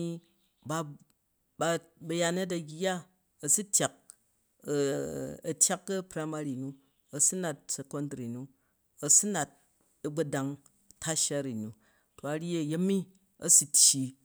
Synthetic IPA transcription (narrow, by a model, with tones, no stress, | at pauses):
i˧ | ba˧ | ba˧bɐ˦˧ja˧ne˦t̬ɐ˧ɡʲa˦ | ɐ˨su˦tʲja˨k̚ | ɐ˨tʲja˦kːɐ˦pɾa˦ma˦ɾi˨nu˦ | ɐ˨su˦na˨t̚se˨ko˦ndɾi˨nu˦ | ɐ˨su˦na˨t̚ | ɐ˨ɡ͡bɐ˦da˧ŋ | tʰa˦ʃa˦ɾi˨nu˨ | to˨a˨ɾʲe˦˨je˦mːi˦ | ɐ˦su˨˦tʲji˨